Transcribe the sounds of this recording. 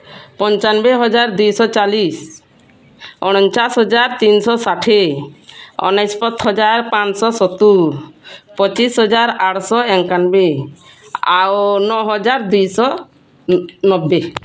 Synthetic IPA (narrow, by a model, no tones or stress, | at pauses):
pɔnt͡ʃanbeɦɔd͡ʒaɾd̪ujsɔt͡ʃalis | ɔñɔnt͡ʃasɦɔd͡ʒaɾt̪insɔsaʈʰe | ɔ̰naspɔt̪ʰɦɔd͡ʒaɾpãt͡ʃsɔsɔt̪u | pɔt͡ʃisɦɔd͡ʒaɾaʈʰsɔɛŋkanbe | awnɔɦɔd͡ʒaɾd̪ujsɔ | nɔbːe